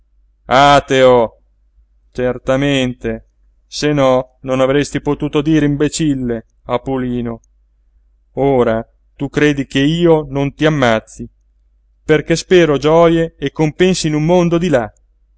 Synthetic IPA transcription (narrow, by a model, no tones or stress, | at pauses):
at̪eo | t͡ʃert̪ament̪e | senɔ | nonavɾest̪ipot̪uːt̪od̪iːɾeimbet͡ʃilːe | apuliːno | oːɾa | t̪ukɾeːd̪ikeiːonont̪iamːat̪sːi | perk̟espɛːɾod͡ʒɔːjeːkːompɛnsiːnumːond̪od̪ila